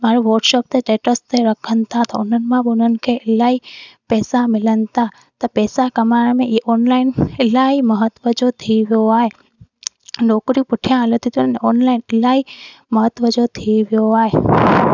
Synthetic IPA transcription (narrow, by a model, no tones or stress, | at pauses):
maɾuʋəɾʈʃop̚t̪eʈeʈəst̪eɾəkʰənt̪at̪ɔonənmãbonənkʰeelaipɛːsamɪlənt̪a | t̪ɔpɛːsakəmaɾamẽʔiʔɔnlainelaiməɦət̪ʋəd͡ʒot̪ʰiʋjoaj | noːkɾipʊʈʰjãlot̪it̪jonneɔnlainelaiməɦət̪ʋəd͡ʒot̪ʰiʋjoaːe